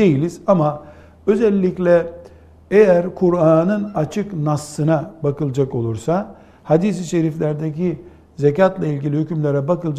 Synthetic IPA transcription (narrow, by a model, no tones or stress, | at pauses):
d̪e̞jilʲiz̥ama | ø̞zɛlʲːiclʲɛ | ejæɾkʰuɾaːnɯnat͡ʃʰɯknasːɯnabakɯlˠd͡ʒako̞lˠuɾsa | had̪is̬iʃe̞ɾiflʲæɾd̪eci | zecat̪lˠailʲɡɟilʲihycymlʲeɾɛbakɯlˠd͡ʒ